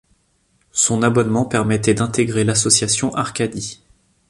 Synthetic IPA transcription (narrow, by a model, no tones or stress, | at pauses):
sɔ̃nabɔnmɑ̃pɛʁmɛt̪ɛd̪ɛ̃t̪eɡʁelasɔsjasjɔ̃ʔaʁkʲad̪i